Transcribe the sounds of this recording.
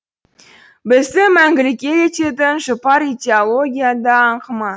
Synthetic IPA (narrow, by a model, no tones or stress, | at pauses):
bɪzɪmæŋɡʲɪlɪkʲːe̞jet̪e̞t̪ɪnʒopɑɾid̪ʲeolˠo̞ɡʲijad̪ɑːɴqʰəmɑ